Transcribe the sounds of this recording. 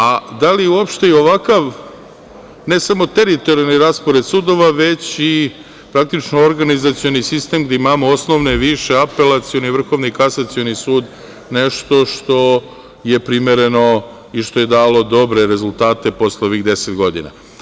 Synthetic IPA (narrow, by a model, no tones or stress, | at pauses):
ad̪aliuo̞pʃt̪e̞io̞ʋakaʋ | ne̞samo̞t̪e̞ɾit̪o̞ɾialniɾaːspo̞ɾe̞t̪suːd̪o̞ʋaʋe̞t͡ɕi | pɾak̚t̪it͡ʃnooɾɡanizat̪sijo̞nisist̪e̞mɡd̪eimaːmoosno̞ʋne̞ʋiʃe̞ape̞lat̪sio̞niʋr̩xo̞ʋnikasat̪sio̞nisuːd̪ | neʃt̪o̞ʃt̪o̞ | je̞pɾime̞ɾe̞no̞ | iʃt̪o̞je̞d̪aːlo̞d̪o̞bɾe̞ɾe̞zulˠt̪aːt̪e̞po̞sleoʋixd̪e̞set̪ɡo̞d̪ḭna̰